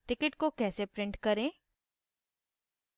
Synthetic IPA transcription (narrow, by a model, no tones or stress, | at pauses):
ʈɪkɪʈkokɛːsepɾɪ̃ɳʈkɐɾẽː